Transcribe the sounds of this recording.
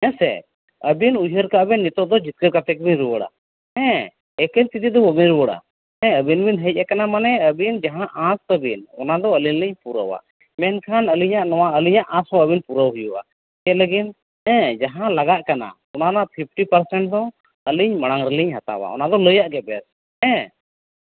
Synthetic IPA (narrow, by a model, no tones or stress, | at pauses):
ɛ̃sɛ̰ | əbinujɦəɾkaʔbɛnːit̪ɔʔd̪ɔd͡ʒit̪̚kəɾkat̪ɛk̚biɲɾuwəɽa̰ | ɛ̃ | ɛkəɾt̪it̪id̪ɔəbiɲɾuwəɽa̰ | ɛ̃əbinbinɦəc̚akanamanɛəbind͡ʒaɦãʔãst̪əbinɔnad̪ɔəlinliɲpuɾə̰wa̰ | mɛnkʰanəliɲaʔnɔwaəliɲaʔãshɔ̃əbinpuɾəwɦujuʔa̰ | kaləɡin | ɛ̃d͡ʒaɦãlaɡaʔkana̰ | ɔnanaʔpʰip̚ʰʈipəɾsɛɳʈ̚d̪ɔ | əliɲmaɽ̃aŋɾɛliɲɦat̪a̰wa̰ɔ̰nad̪ɔləjaʔɡɛbɛ̰s | ɛ̃